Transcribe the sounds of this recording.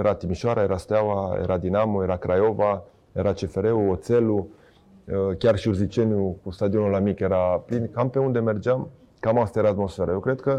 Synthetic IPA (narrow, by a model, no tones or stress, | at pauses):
eɾat̪imiʃaɾaeɾast̪eawaḛɾad̪inamoeɾakɾʔajova | eɾat͡ʃefeɾeuot̪selu | kʲjarʃiuɾzit͡ʃenjukust̪ad̪ionolamikeɾaplinkampeund̪emerd͡ʒam | kamast̪aeɾaːt̪mosfeɾajewkɾed̪kə